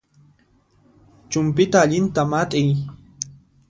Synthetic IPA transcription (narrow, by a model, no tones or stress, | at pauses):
t͡ʃʊmpɪt̪aːʎɪnt̪amat̪ʼɪj